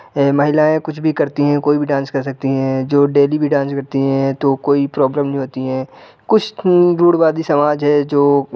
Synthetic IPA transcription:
mɐɦɪlaːẽkʊt͡ʃʰbʱikɐɾt̪iɦɛ̃koːibʱiɖãːnskɐɾsɐk̚t̪iɦɛ̃d͡ʒoːɖeːlibʱiɖãːnskɐɾt̪iɦɛ̃t̪okoːipɾɔːbləmnɐɦĩɦoːt̪iɦɛ̃ː | kʊt͡ʃʰɾuːɽʋaːd̪isɐmaːd͡ʒɦɛd͡ʒoː

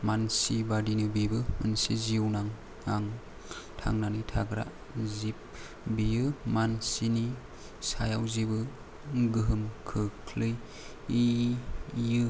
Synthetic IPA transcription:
mansibadinɯbibɯmɯnsiziwnaŋ | aŋ | tʰa̰ŋnanitʰaɡɾa̰ | zip̚ | bijɯmansini | sajawzibɯ | ɡɯɦɯmkʰɯkʰlɯj | i | jɯ

